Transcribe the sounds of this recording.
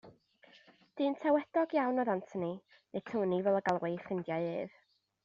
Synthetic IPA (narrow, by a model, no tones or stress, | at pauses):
d̥ɨːntʰɛwɛd̥ɔɡjawnɔðantʰəni | ne̥tʰuːnivɛlˠəɡalˠwɪfrɪndjaɨɨːð̥